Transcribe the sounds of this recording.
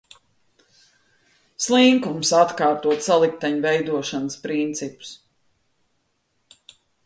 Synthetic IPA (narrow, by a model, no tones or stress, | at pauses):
slˠiŋkumsat̪kaːɾt̪uɔt̪salˠik̚t̪aɲvɛjd̪uɔʃanəspɾint̪sipu̥s